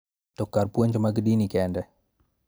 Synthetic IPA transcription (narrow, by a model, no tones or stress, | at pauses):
tɔkːarpwoɲd͡ʒɔmaɡdinikɛndɛ